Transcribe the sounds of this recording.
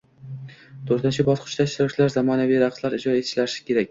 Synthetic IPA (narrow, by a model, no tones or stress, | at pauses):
t̪ʰɵɾt̪ɪnt͡ʃʰɪbɒzqʰʊ̥t͡ʃt̪aʃɾawt͡ʃʰlaɾzamɒnavijɾaqslaɾɪd͡ʒɒe̞t̪ʰɪ̥ʃlaɾɪʃɪ̥kʲʰe̞ɾak̚ʲ